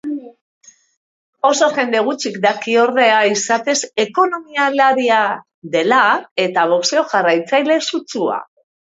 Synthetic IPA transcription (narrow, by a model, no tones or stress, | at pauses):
o̞so̞ʝe̞nd̪e̞ɣ̞ut͡ʃikd̪akio̞ɾðe̞aisat̪e̞se̞ko̞no̞mialaɾia | ðe̞lae̞t̪aβo̞kseo̞ʝarajt͡sajle̞sut͡sua̰